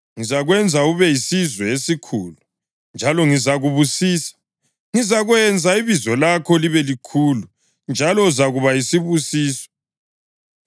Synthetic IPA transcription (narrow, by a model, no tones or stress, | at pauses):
ŋizaɣwɛnd͡zʱauβɛjisizwɛesikʰulu | nd͡ʒʱalɔŋizaɣuβusiːsḁ | ŋizaɣwɛnd͡zʱaiβizɔlakʰɔliβɛlikʰulu | nd͡ʒʱalɔzaɣuβajisiβusiːsɔ̥